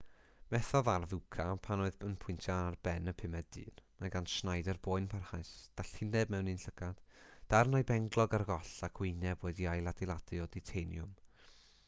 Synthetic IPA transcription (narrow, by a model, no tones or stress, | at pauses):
mɛθɔvarvukʰapʰanoɨðənpʰʊɨntʰjaarbɛnəpʰɪmɛdd̥ɨ̰ːnmaɡanʃnajdərboːɨnpʰarhajsd̥aɬhɪnɛbmɛwnɨnɬəɡ̥ad̥d̥arnɔjbɛŋɡlˠɔɡarɡɔɬakʰwɪnɛbwɛːdiajlˠadɪlˠadɨɔditʰejnjʊm